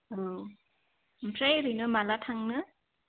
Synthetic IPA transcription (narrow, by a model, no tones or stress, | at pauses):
o | mpʰɾejɾɯjnomalatʰaŋnɯ